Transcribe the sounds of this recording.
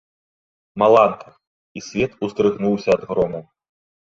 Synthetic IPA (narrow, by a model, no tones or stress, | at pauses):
mɐlˠankɨ | isʲvʲɛt̪ust̪ɾɨɣnuwsʲɐːd̪ɣɾɔmu